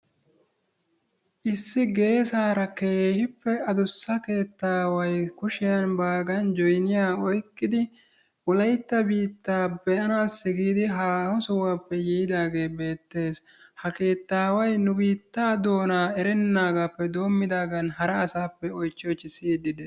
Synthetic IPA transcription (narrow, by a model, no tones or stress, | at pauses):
ʔɪsːɪɡe̞ːsaːɾɐke̞ːhɪpːɛɐd̪ʊsːɐke̞ːt̪ːaːwɐjkʊʃɪjɐnbaːɡɐnd͡ʒɔjnɪjaːɔjkːɪd̪ɪ | ʊlɐjt̪ːɐbiːt̪ːaːbɛʔɐnaːsːɪɡiːd̪ɪɦaːhɔsʊwapːɛjijd̪aːɡe̞ːbe̞ːt̪ːe̞ːs | hɐke̞ːt̪ːaːwɐjnʊbiːt̪ːaːd̪o̞ːnaːɛɾɛnːaːɡaːpːɛd̪o̞ːmːɪd̪aːɡɐnɦɐɾɐːsaːpːɛɔjt͡ʃːɪɔt͡ʃːɪsiːd̪ɪd̪ɛ